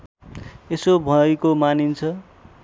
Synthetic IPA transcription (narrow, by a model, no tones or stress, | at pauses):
esobʱʌekomanint͡sʰʌ